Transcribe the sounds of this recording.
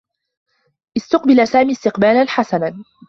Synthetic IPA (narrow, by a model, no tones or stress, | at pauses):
ʔɪst̪ʊqbɪlasaːmiːst̪ɪqbaːlanħasana